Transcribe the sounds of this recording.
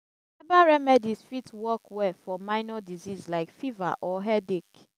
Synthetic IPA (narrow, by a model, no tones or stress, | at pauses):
ɛbaɹɛmɛdisfitwɔkwɛfɔmaɪnɔdizizlaɪkfiva̰ʔɔɦɛdek